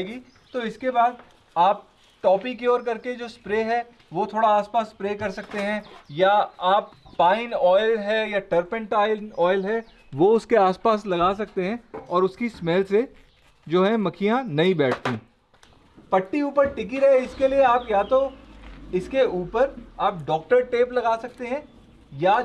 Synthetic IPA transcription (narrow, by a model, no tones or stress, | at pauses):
ɡiː | t̪oɪskebaːd̪̚ | aːp̚ | ʈɔːpik̬iɔːɾkɐɾked͡ʒoːspɾeːɦɛ | ʋot̪ʰoːɽaaːspaːsːpɾeːkɐɾsɐk̚t̪eɦɛ̃jaaːpːaːɪ̃nɔːɪlɦɛjaʈəɾpə̃ɳʈaːɪlɔːɪlɦɛ | ʋoʊskeaːspaːslɐɡaːsɐk̚t̪eɦɛ̃ɔːɾʊskismɛːlse | d͡ʒoːɦɛmɐkʰijãnɐĩbɛːʈʰt̪ĩː | pɐʈːiuːpəɾʈɪk̬iɾɐɦeɪskelieaːpjat̪o | ɪskeuːpəɾaːp̚ɖɔːk̚ʈəɾʈeːplɐɡaːsɐk̚t̪eɦɛ̃ | ja